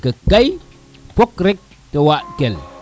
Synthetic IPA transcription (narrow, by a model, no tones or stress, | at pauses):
kɐkaj | pokɾek̚ | tewaʔkel